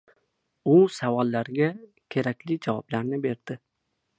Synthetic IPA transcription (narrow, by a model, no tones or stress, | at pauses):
ʊsavɒlːaɾɡʲa | kʲʰe̞ɾakʲlɪd͡ʒavɒblaɾnɪbe̞ɾd̪ɪ